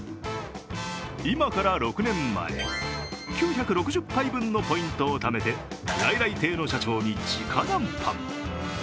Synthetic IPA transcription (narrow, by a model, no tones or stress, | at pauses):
imakaɾaɾo̞kɯ̟nẽ̞mːa̰ḛkʲɨːçakɯ̟ɾo̞kɯ̟ʑɨpːaibɯ̟̃nːo̞po̞ĩnt̪o̞ːt̪ame̞t̪e̞ɾaiɾait̪e̞ːno̞ɕat͡ɕo̞ːɲ̟it͡ɕikʰanãmpʰã̰m